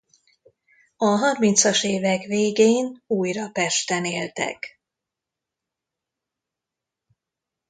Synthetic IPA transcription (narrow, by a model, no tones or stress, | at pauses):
ɒɦɒrmint̪sɒʃeːvɛkveːɡeːnuːjrɒpɛʃt̪ɛneːlt̪ɛ̰k